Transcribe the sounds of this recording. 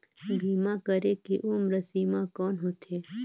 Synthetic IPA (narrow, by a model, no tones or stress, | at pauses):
bʱiːmãkəɾekiʔuːmɾəsiːmakɔːnɦot̪ʰeː